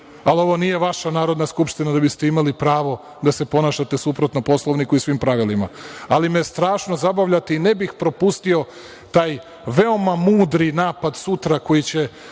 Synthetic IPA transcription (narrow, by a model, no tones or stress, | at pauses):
alio̞ʋo̞nije̞ʋaʃanaːɾo̞d̪naskupʃt̪inad̪abist̪e̞imalipɾaːʋo̞ | d̪ase̞po̞naʃat̪e̞supɾot̪no̞po̞slˠoʋnikuisʋimpɾaʋilima̰alimest̪ɾaːʃno̞zabaʋʎat̪eine̞bixpɾo̞pust̪io̞ | t̪aːj | ʋe̞o̞mamuːd̪ɾinaːpad̪sut̪ɾako̞jit͡ɕe̞